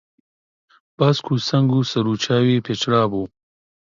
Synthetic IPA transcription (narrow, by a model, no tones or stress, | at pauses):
b̥askʰusɐŋɡusɐɾut͡ʃaːwepet͡ʃɾaːbu